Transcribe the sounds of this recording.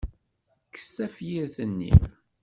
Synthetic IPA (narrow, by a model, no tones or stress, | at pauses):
kə̥sːæfjiɾθənːḭm